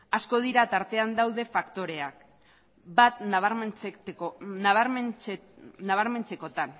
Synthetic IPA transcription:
asko̞ð̞iɾat̪aɾt̪e̞and̪awðe̞fakt̪o̞ɾe̞ak̚ | bat̪ | nβɾ | naβ̞aɾme̞nt͡se̞ko̞t̪an

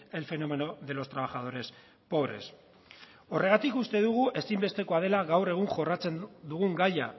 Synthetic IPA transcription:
e̞lfe̞no̞me̞noðe̞lo̞st̪ɾaβaxað̞o̞ɾe̞s | po̞βɾe̞̰s | o̞re̞ɣat̪ikust̪e̞ðuɣ̞uʔe̞simbe̞st̪e̞ko̞að̞e̞laɣawre̞ɣ̞uŋʝo̞rat͡se̞nd̪uɣ̞uŋɡaja

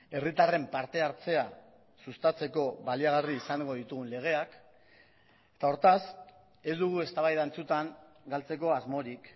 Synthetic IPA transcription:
e̞rit̪are̞mpaɾt̪e̞aɾt͡se̞a | sust̪at͡se̞ko̞βaliaɣ̞ariːsaŋɡo̞ðit̪uɣunle̞ɣ̞e̞ak | e̥t̪ao̞ɾt̪as | e̞zd̪uɣ̞ue̞st̪aβajðant͡sut̪aŋ | ɡalt͡se̞ko̞azmo̞ɾik

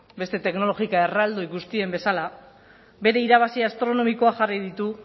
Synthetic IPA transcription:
be̞st̪e̞t̪e̞kno̞lo̞ɣikae̞rald̪oikust̪ie̞mbe̞sala | be̞ɾe̞iɾaβ̞asiast̪ɾo̞no̞miko̞aʝarið̞it̪u

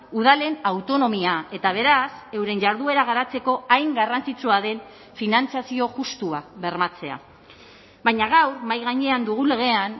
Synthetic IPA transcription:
uð̞ale̞nawt̪o̞no̞miae̞t̪aβ̞e̞ɾase̞wɾe̞nʝaɾðue̞ɾaɣ̞aɾat͡se̞ko̞ajŋɡarant͡sit͡suaðe̞n | finant͡sasio̞ʝust̪uaβe̞ɾmat͡se̞a̰ | βajɲaɣawɾmajɣaɲe̞and̪uɣ̞ule̞ɣ̞e̞an

